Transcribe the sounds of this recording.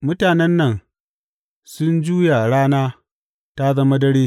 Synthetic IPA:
mʊ˦taː˨nɛ˦nːɐ˨n | sʊ˦nd͡ʒuː˦ja˨ɽaː˦naː˦ | ta˦zɐ˦mɐ˦dɐ˦ɽeː˦

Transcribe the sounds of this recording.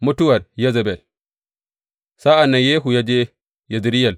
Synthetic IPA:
mu˦tu˦wɐ˨ɾja˦za˨be˨l | sa˦a˨nːa˨je˦ɦu˨ja˦d͡ʒe˦ | ja˨zi˨ɾi˦ja˨l

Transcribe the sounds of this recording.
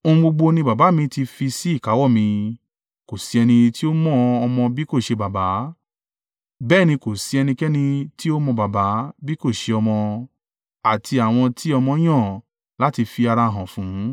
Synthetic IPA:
õ˧ɡ͡bo˧ɡ͡bo˧nĩ˧ba˨ba˨˦mĩ˧ti˧fi˧si˦i˦˨ka˨˦wɔ˦˨mĩ˧ | ko˨si˨˦ɛ˧nĩ˧ti˦o˦mɔ̃˦ɔ˧mɔ̃˧bi˦ko˦˨ʃe˧ba˨ba˨˦ | bɛː˦˨nĩ˧ko˨si˨˧ɛ˧nĩ˧kɛ˦nĩ˧ti˦o˦mɔ̃˧ba˨ba˨˦bi˦ko˦˨ʃe˧ɔ˧mɔ̃˧ | a˨ti˧a˨w̃ɔ̃˧tʰi˦ɔ˧mɔ̃˧˦j̃ã˦˨ | la˦ti˧fi˧a˧ɾa˧˨ɦã˨fũ˨˦

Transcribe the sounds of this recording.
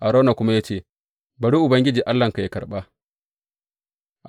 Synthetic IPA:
ʔa˨ɾoː˦na˨kʷʊ˦ma˦ja˦t͡ʃeː˦˨ | bɐ˨ɽi˦ʔʊ˨bɐ˦ŋɡʲɪ˦d͡ʒiː˨ʔa˦lːɐ˨ŋka˨ja˦kɐ˨ɓa˦ | ʔ

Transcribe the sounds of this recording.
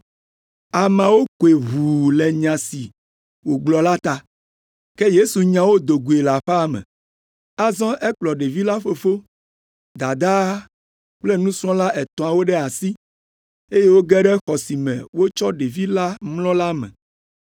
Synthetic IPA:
a˨mã˨wo˦ke˨βu˨lɛ˨ɲã˨si˨ | wo˨ɡ͡blɔ˨la˦t̪a˦ | ke˦je˦su˨ɲã˨wo˦d̪o˨ɡu˨e˨la˨ɸɛ˦a˦mɛ̰̃˨ | a˦zɔ̃˦ʔɛ˦k͡plɔ˨ɖe˨vi˦la˦ɸo˨fo˦ | d̪a˨d̪a˦ | k͡ple˦nũ˦sɾɔ̃˦la˦ʔɛ˨t̪ɔ̃˨a˨wo˦ɖɛ˦a˨si˦ | e˦je˦wo˦ɡɛ˦ɖɛ˦xɔ˨si˨mɛ̰̃˨wo˦t͡ʃɔ˦ɖe˨vi˦la˦mlɔ̃˦la˦mɛ̰̃˨

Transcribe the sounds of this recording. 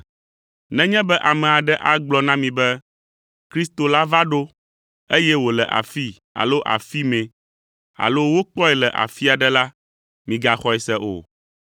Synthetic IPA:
nɛ̃˦ɲɛ̃˦bɛ˦ʔa˨mɛ̃˨a˨ɖɛ˦ʔa˦ɡ͡blɔ˦nã˦mĩ˨bɛ˦ | kɾi˦st̪o˨la˦va˦ɖo˦ | e˦jɛ˦wo˨lɛ˨ʔa̰˨fi˦ | a̰˨lo˦ʔa̰˨fi˦mɛ̃˨ | a̰˨lo˦wo˦k͡pɔ˦ɛ˨lɛ˨ʔa̰˨fi˦a˨ɖɛ˦la˦ | mĩ˨ɡa˨xɔ˦ɛ˨sɛ˦ʔo̰˨

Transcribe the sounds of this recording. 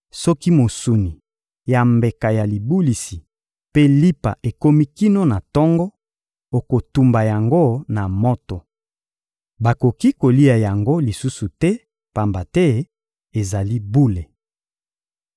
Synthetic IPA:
sɔ˦ki˦mo˨su˨ni˨ | ja˨mbe˨ka˨ja˨li˨bu˦li˨si˨ | pe˦li˦pa̰˨ʔe˨ko˦mi˦ki˦no˦na˨tɔ˦ŋɡɔ˦ | o˨ko˨tu˨mba˨ja˨ŋɡo˦na˨mo˦tɔ˨ | ba˨ko˨ki˦ko˨li˦a˨ja˨ŋɡo˦li˨su˦su˨tɛ˦ | pa˨mba˨tɛ˦ | e˨za˨li˦bu˦le˨

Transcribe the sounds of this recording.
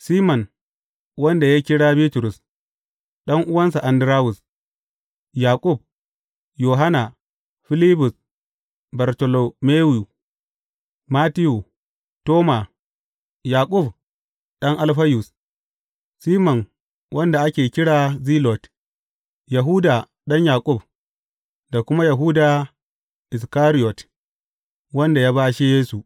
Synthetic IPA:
siː˦mɔ˨n | wɐ˦nda˨ja˦kʲɪ˦ɽaː˦bi˦tʊ˨ɾʊ˨s | ɗɐ˦ŋʔʊ˦wɐ˦nsa˨ʔa˨ndɪ˨ɾaː˦wʊ˨s | jaː˨kʼʊ˦˨b̚ | joː˨ɦa˦na˨ | ɸɪ˦liː˦bʊ˨s | ba˨ɾto˨lo˨meː˦wu˨ | ma˦tɪ˦ju˨ | toː˦ma˨ | jaː˨kʼʊ˦˨b | ɗɐ˦ŋʔa˦lɸɐ˦jʊ˨s | siː˦mɔ˨ŋ | wʔɐ˦nda˨ʔa˦kʲeː˨kʲɪ˦ɽaː˨ziː˦lɔ˨t | ja˨ɦu˦daː˨ | ɗɐ˦ɲjaː˨kʼʊ˦b | da˨kʷʊ˦ma˦ja˨ɦuː˦da˨ | ʔɪ˨s̬kaː˦ɾɪ˦jɔ˨t | wɐ˦nda˨jaː˦baː˦ʃi˦jeː˦su˨

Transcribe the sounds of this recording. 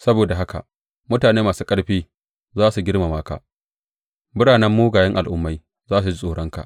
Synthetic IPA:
sɐ˦boː˨da˨ɦa˦ka̰˨ʔ | mʊ˦taː˨neː˦maː˨suː˦kʼɐ˦ɽɸiː˦ | zaː˦su˨ɡʲɪ˦ɽma˨maː˦ka̰˨ | bɪ˦ɽaː˨nɛ˦mːoː˦ɡaː˨jɛ˦ŋʔa˨lʔʊ˦mːa˦j | zaː˦s̬u˨d͡ʒi˦sʼoː˨ɽɔ˦ŋka̰˨ʔ

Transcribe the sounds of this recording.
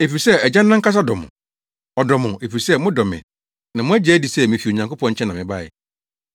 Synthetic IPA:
e˨fi˨ɾi˨sɛ˦ɛ˨d͡ʑã˦nːã˦ŋ̩˦ka˦s̬a˦dɔ˨mʊ̰̃˨ | ɔ˨dɔ˨mʊ̃˨ʔe˨fi˨ɾi˨sɛ˦mʊ̃˦dɔ˨mɪ̰̃˨ | nã˨mʊ̃˦æ˦d͡ʑɛ˨˦æ˦di˨sɛ˦mĩ˨fi˨o˨ɲã˨ŋko˦pʰɔ̃˦ɲ̩˦t͡ɕʰɛ̃˦nã˨mɪ̃˨ba˦˨ɛ̰˨

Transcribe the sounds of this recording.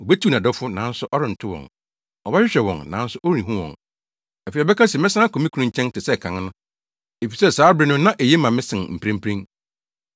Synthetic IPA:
o˨be˦tʰu˦nã˨dɔ˦fʊ˦nã̰ː˨˦n̩˦sʊ˦ʔɔ˦ɾɪ˨n̩˨tʰʊ˦wɔ̰̃˨ŋ | ɔ˨ba˦ɕᶣɪ˦ɕᶣɛ˨wɔ̰̃˨ŋnã̰ː˨˦n̩˦sʊ˦ʔo˦ɾĩ˨ɦũ˦wɔ̰̃˨ŋ˨ | fe˨bɛ˦kʰã˦sɛ˨mɪ̃˦sã˦kʰo˨mĩ˦kʰu˨nũ˦ɲ̩˦t͡ɕʰɛ̃˦n˦tʰɪ˨sɛ˦˨kʰã˨ŋ˦nʊ̃˦ | e˨fi˨sɛ˦saː˨˦bɾɪ˨˦nʊ̃˦nã˦ʔe˨jɛ˦mã˨mɪ̃˦sɪ̃˨ŋm̩˨pʰɾẽ˦m̩˦pʰɾĩ˦ŋ

